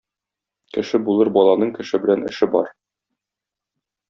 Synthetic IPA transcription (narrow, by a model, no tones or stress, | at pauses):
kɘ̆ʃɘbulˠɤɾbɒlˠɑnɤɴkɘ̆ʃɘbɘ̆lænɘ̆ʃɘbɒ̰ɾ